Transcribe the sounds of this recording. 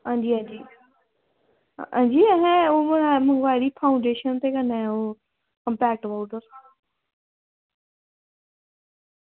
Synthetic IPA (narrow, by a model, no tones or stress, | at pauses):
ɦãːd͡ʒiːɦãːnd͡ʒiː | ã̰ːɲd͡ʒiːɛɦɛ̃oːmənaːmə̃ŋɡʋaːɪɾiːpʰaːʊ̃ɳɖeːʃənt̪ekənɛ̃oː | kə̃mpɛːk̚ʈəbaʊʈəɾsã